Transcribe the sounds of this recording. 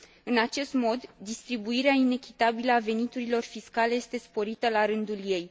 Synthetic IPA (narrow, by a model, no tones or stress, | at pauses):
ɨnat͡ʃe̞st̪mo̞d̪ːist̪ɾibuiɾeaine̞kʲit̪abiləave̞nit̪uɾilo̞rfiskale̞je̞st̪e̞spo̞ɾit̪əlaɾɨnd̪ulje̞j